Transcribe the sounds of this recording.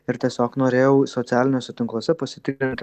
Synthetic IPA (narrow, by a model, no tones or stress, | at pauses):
ɪɾt̪ʲiɛsʲoːknoːɾʲeːjɛʊsɔt̪sʲæːlʲɪnʲoːsʲɛt̪ʲɪŋklˠoːsʲɛpɐsʲɪt̪ʲɪkɾʲɪnʲt̪ʲ